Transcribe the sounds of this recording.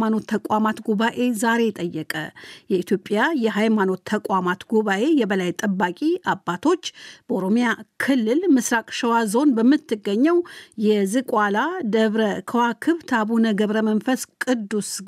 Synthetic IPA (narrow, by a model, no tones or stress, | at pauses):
mano̞t̪ʰːəkʼwamat̪ɡuβaʔe̞zaɾe̞t̪ʼəjːɛkʼə̰jɛit̪ʰjo̞pʼːjajɛɦajmano̞t̪ʰːəkʼwamat̪ɡuβaʔe̞jɛbəlajt̪ʼəbːakʼiabːat̪ʰo̞t͡ʃːb̥əoɾo̞mijakʰɨlːɨlmɨsɾakʼʃəwazo̞nbəmːɨt̪ːɨɡːəɲːɛwjɛzɨkʼwalad̪əβɾəkʰəwakʰɨβt̪ʰaβunəɡəβɾəmənfəskʼɨd̪ːus